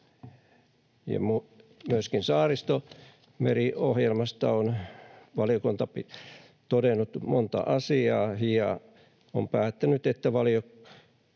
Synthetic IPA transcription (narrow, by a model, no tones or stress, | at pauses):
jɑ̰mumyøskinsɑːrist̪o | meriohjelmɑst̪ɑonʋɑljokunt̪ɑpi | t̪odenːˑut̪mont̪ɑ̰ʔɑsiɑːhijɑ | o̰mpæːt̪ːænyt̪et̪ːæʋɑljok